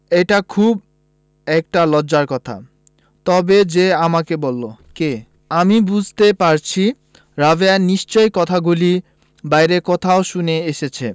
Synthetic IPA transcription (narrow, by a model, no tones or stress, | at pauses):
eʈakʰub̚ | ɛk̚ʈalɔd͡ʑaɾkɔt̪ʰa̰ | t̪ɔbed͡ʑeamakebolːoke | amibud͡ʑʱt̪epaɾt͡ɕʰi | ɾaveaniʃt͡ɕojkɔt̪ʰaɡuli | bajɾekɔt̪ʰaoʃuneeʃet͡ɕʰe